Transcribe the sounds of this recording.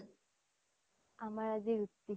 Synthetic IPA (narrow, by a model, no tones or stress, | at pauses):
amaɾad͡zeɾut̪ːi